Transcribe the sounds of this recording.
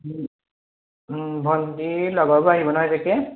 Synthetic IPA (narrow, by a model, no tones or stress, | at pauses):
bʱɔntilɔɡɔbɔaɦibɔnaɦɔjtʰakɛ